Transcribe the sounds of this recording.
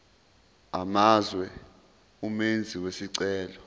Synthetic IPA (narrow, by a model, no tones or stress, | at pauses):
amazwɛ | umend͡zʱiwesiǀɛːlɔ